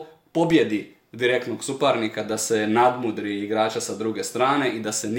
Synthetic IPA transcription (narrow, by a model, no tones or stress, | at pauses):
po̞bjed̪i | d̪iɾe̞kt̪noɡsupaɾnikad̪asenad̪mud̪ɾiiɡɾaːt͡ʃasad̪ɾuɡest̪ɾaːne̞ʔid̪asen